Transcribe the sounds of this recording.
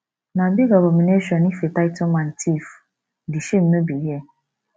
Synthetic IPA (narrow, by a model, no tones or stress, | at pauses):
nãbiɡabɔmineʃɔ̃nifetaɪtʰʊ̃mãn̩tʰif | diʃem̩mẽbiɛ